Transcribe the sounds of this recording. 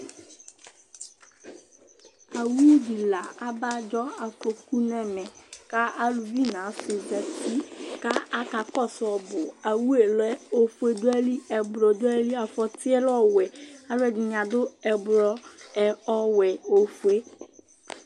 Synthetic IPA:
a˨wu˦di˨la˨a˦ba˦d͡ʒɔ˦a˨fo˨ku˦nɛ˨mɛ˨ka˦a˦lu˨vi˦nã˨˦fe˨d͡ʒa˨ti˦ka˦a˦ka˨kɔ˦˨sɔ˨bʊ˨a˨wu˦e˨lɛ˦o˦fu˦e˦dʊ˦ɛ˦li˦ɛ˨bɾɔ˨dʊ˦ɛ˦li˦a˨fɔ˨tɪ˦ɛ˦lɔ˦wɛ˨a˨lʊ˦ɛ˨dɪ˨ɲã˨dʊ˦ɛ˨bɾɔ˦ɛ˨ɔ˦wɛ˨o˨fu˦e˦

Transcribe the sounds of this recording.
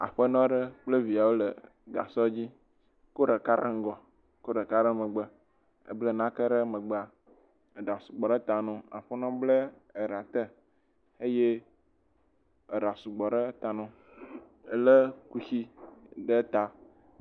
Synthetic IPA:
a̰˨ɸə˦nɔ̃˦ɖə˦k͡plə˦vi˨a˨wo˦lə˨ | ɡa̰˨sɔ˦d͡ʑi˦ | ko˦ɖə˨ka˦ɾə̰˦ŋ̩˦ɡɔ˨ | ko˦ɖə˨ka˦ɾə˦mə̃˨ɡ͡bə˨ | ə̰˦blə˦nã˦kə˦ɖə˦mə̃˨ɡ͡ba˨ | e˨ɖa˨su̥˨ɡ͡bɔ˨ɖə˦t̪a˨nɔ̃˨a̰˨ɸə˦nɔ̃˦blə˦ | e˨ɾa˨t̪ə˦ | e˦je˦ | e˨ɾa˨su˨ɡ͡bɔ˨ɖə˦t̪a˨nɔ̃˨ | ə˨lə˦ku˦si˦ɖə˦t̪a˨

